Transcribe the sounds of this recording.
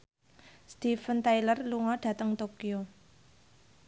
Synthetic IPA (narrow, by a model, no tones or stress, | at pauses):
st̪ifənt̪ajlərluŋɔɖ̥ä̤t̪əŋt̪okio